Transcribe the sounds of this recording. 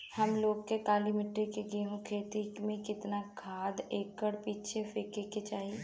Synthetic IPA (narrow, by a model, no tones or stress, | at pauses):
həmloːɡkekaːlimɪʈɾekeɡeːɦõkʰeːt̪imẽkɪt̪nakʰaːd̪eːkːəɽpiːt͡ʃʰefekeket͡ʃaːɦie